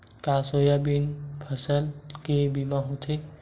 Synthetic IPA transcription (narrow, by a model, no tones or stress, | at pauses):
kaːsojabinpʰəsəlkebimãɦot̪ʰe